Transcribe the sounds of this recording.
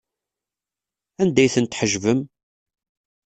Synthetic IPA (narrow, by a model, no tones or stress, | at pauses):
ænd̪æjθənt̪ħəʒvəm